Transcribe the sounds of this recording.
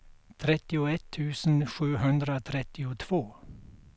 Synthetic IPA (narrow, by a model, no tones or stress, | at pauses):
t̪ʰɾɛt̪ɪoɛt̪ʰːʉːsn̩ʃʉːhʉnd̪ɾəoːt̪ʰɾɛt̪ɪʊt̪ʰʋoː